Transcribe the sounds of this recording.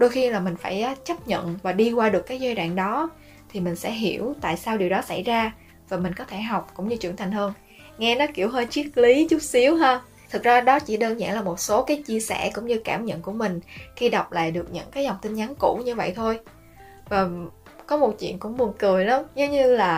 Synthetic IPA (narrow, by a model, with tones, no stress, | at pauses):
ɗo˧jxi˧laː˨˩mï̟˨˩faː˧˩jʔːt͡ɕə˦˥p̚ɲə̰˧˨nvaː˨˩ɗi˧kwaː˧ɗɨ˨˩kːaː˨˦jzɛ˧jɗa̰ː˧˨ŋɗɔ˨˦ | t̪ʰi˨˩mï˨˩ŋ̟sɛ̰˧˥ɦi˧˩əwt̪a̰ː˧˨jsaː˧wɗi˨˩əwɗɔ˨˦sa˧˩jzaː˧ | vaː˨˩mï˨˩ŋ̟kɔ˨˦t̪ʰe˧˩ɦa˨˩wk͡p̚kʊ̰˧˥ŋ͡mɲɨ˧t͡ɕɨ˧˩əŋt̪ʰa˨˩ŋ̟həː˧n | ŋɛ˧nɔ˨˦ki˧˩əwɦəː˧jt͡ɕwi˦˥ək̚li˨˦t͡ɕʊ˦˥p̚si˨˦əwɦaː˧ | t̪ʰɨ˨˩k̚zaː˧ɗɔ˨˦t͡ɕi˧˩ɗəː˧nza̰ː˧˩ŋlaː˨˩mo˨˩t̚so˨˦kaː˨˦jt͡ɕi˧əsɛ˧˩kʊ̰˧˥ŋ͡mɲɨ˧kaː˧˩mɲə̰˧˨nku˧˩əmï˨˩ŋ̟xi˧ɗa˨˩wk͡p̚la̰ː˧˨jɗɨ˨˩ək̚ɲə̰˧˥ŋkaː˨˦jza˨˩wŋ͡mt̪ï˧ŋɲa˨˦nkṵ˧˩ɲɨ˧və̰˧˨jt̪ʰo˧j | vaː˨˩ | kɔ˨˦mo˨˩t̚t͡ɕwḭ˧˨ənkʊ̰˧˥ŋ͡mɓu˨˩ənkɨ˨˩əjla˨˦mzə˨˦ɲɨ˧laː˨˩